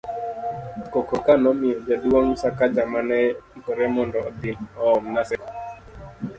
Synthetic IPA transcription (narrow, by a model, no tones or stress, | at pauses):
kɔkɔkanɔmɪɔd͡ʒadiwɔŋsakad͡ʒamanɛŋkɔɾɛmɔndɔɔd̪ɪnɔɔmnasɛk